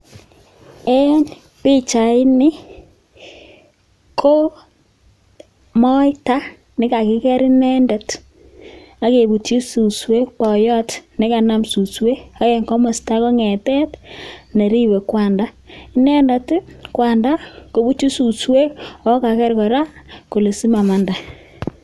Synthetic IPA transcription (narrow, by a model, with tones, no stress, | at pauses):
e˦n | pɪ˦t͡ʃa˨ɪ˦nɪ˦ | kʰo˦ | mɔ˦ita˦ | nɪ˦ka˨kɪ˦kɛ˦ɾɪ˦nɛ˦ndɛ˨t | a˦ke˨bu˨ti˦su˨swe˦k̚pɔ˨jɔ˦tnɪ˦ka˨na˦msu˨swe˦a˦ke˨ŋɡɔ˦ma˨sta˦ko˦ŋɛ˨tɛ˦tne˨ɾi˦we˨kwa˨nda˦ | i˦nɛ˦nda˨tkwa˨nda˦ko˨bu˦t͡ʃi˦su˨swe˦ɔ˦ka˨kɛ˦ɾkɔ˨ɾa˦ko˨le˨si˦ma˨ma˨nda˨